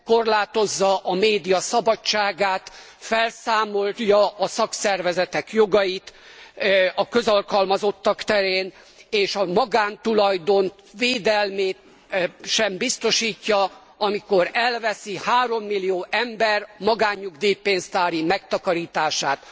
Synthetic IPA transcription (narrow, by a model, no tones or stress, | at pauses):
ko̞rlaːt̪o̞zːɒʔɒmeːd̪ijɒsɒbɒt͡ʃt͡ʃːaːɡaːt̪ | fɛlsaːmo̞ljɒɒsɒksɛrvɛzɛt̪ɛkjoɡɒjit̪ | ɒkøzɒlkɒlmɒzo̞t̪ːɒkt̪ɛɾeːn | eːʃɒmɒɡaːnt̪ulɒjd̪o̞n | veːd̪ɛlmeːt̪̚ | ʃɛmbist̪o̞ʃiːcːɒ | ɒmiko̞ɾɛlvɛsihaːɾo̞mːilːijoːʔɛmbɛrmɒɡaːɲːuɡd̪ijpeːnzt̪aːɾimɛkt̪ɒkɒɾiːt̪aːʃaːt̪